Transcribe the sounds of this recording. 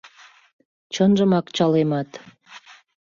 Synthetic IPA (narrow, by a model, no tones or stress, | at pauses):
t͡ɕənʒəmɑkt͡ɕɑlemɑt̪